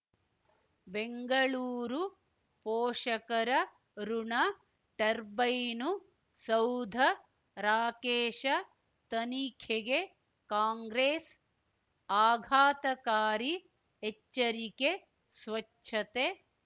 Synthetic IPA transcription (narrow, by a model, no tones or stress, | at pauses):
beŋɡɐɭuːɾu | poːʂɐkɐɾɐ | ɾuɳɐ | ʈɐɾbɐjnu | sɐwd̪ʱɐ | ɾaːkeːʃɐ | t̪ɐniːkʰeɡe | kaːŋɡɾeːs | aːɡʱaːt̪ɐkaːɾiː | t͡ʃːɐɾike | sʋɐt͡ʃʃʰɐt̪e